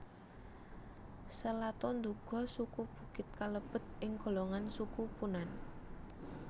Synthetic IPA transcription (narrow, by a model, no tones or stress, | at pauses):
səlat̪ɔnd̪uɡ̥ɔ̤sukub̥ṳkɪt̪̚kaləb̥ə̤t̪̚ʔɪŋɡo̤loŋansukupunan